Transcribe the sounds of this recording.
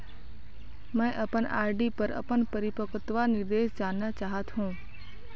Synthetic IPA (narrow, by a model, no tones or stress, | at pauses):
mɛ̃ːʔəpəna̰ːɾɖipəɾə̰pənpəɾɪpəkət̪ʋanɪɾd̪eːʃd͡ʒaːnːat͡ʃaːɦət̪ɦũː